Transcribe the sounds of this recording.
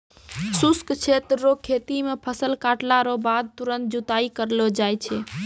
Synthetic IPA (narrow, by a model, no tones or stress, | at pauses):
suskt͡ʃʰet̪ːokʰet̪imepʰəsəlkaʈlaɾobad̪̚t̪uɾənt̪̚d͡ʒut̪aikəɾlod͡ʒajt͡ʃʰɛ